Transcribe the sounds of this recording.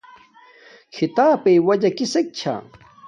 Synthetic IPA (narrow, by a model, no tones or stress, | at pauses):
kʰit̪aːpejwɐd͡ʑɐkisek̚t͡ɕʰa̰